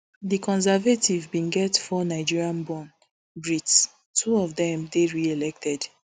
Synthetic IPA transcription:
ðikʰɔ̃nsɛvatʰivbĩnɡɛtfɔnaɪd͡ʒiɹiãnbɔ̃n | bɹits | tʰuɔvdɛ̃mdeɹielɛk̚tʰɛd̥

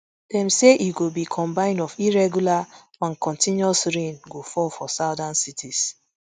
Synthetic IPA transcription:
d̥ɛ̃mseʔiɡobikʰɔ̃mbãɪ̃ndɔfiɹɛɡjula | ãnkʰɔ̃ntĩnjɔsɹẽnɡofɔlfɔsaʊdãnsitʰis

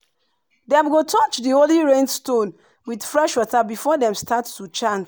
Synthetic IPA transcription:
dɛ̃mɡotʰɔt͡ʃdioliɹẽnstõn | widfɹɛʃwɔtabifɔdɛ̃mstʰattut͡ʃãns

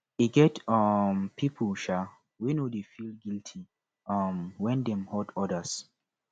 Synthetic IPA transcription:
iɡɛtʌmpʰipʰəlʃa | winodefilɡiltʰi | ʌmwɛ̃ndɛ̃mhɔdɔdəs

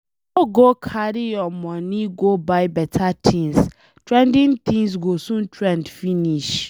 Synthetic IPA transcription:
oɡokʰaɾijɔmɔ̃niɡobaɪbɛtʰatʰĩns | tɹɛ̃ndĩnt̪ʰĩŋs̬ɡosũntɹɛ̃ndfiniʃ

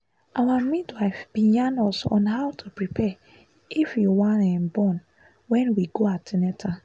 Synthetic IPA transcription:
ʔawamitwaɪfb̥ĩnjãnɔsɔ̰̃nɦawtʰupɹipʰɛ | ifjuwãnɛ̃nbɔ̃n | wɛ̃nwiɡoatinɛtʰa

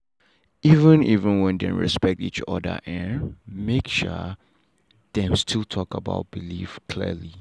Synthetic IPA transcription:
ivə̃nivə̃nwɛ̃ndɛ̰̃nɹɛ̰spɛk̚tit͡ʃɔ̰də̰ʔɛ̃nmekʃɔ̰ | d̥ɛ̃mstʰilˠtʰɔkəba̰ʊt̚b̥ilifkʰlḭəli

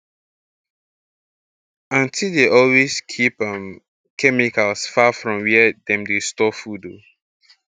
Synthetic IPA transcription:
ãntʰildeʔɔlweskʰipʌ̃m | kʰɛmikalˠsfafɹɔ̃mwɛdɛ̃mdestɔfudo

